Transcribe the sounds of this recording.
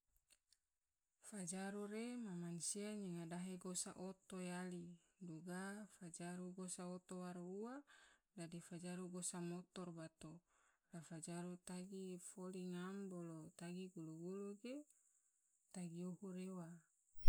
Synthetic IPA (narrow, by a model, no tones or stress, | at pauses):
fad͡ʒaɾuɾemamansiaɲiŋadaɦeɡosa̰ʔot̪ojali | duɡafad͡ʒaɾuɡosaot̪owaɾuwadadifad͡ʒaɾuɡosamot̪ɔrbat̪o | lafad͡ʒaɾut̪aɡifoliŋambolot̪aɡiɡuluɡuluɡe | t̪aɡiuhuɾewa